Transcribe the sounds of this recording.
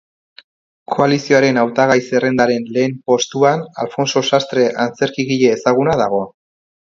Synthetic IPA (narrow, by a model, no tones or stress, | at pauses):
kʰo̞alisio̞aɾe̞nawt̪aɣ̞ajse̞re̞nd̪aɾe̞nle̞ːmpo̞st̪uana̰lfo̞nso̞sast̪ɾe̞ʔant͡se̞ɾkiɣiʎe̞ːsaɣ̞unaðaɣ̞o̞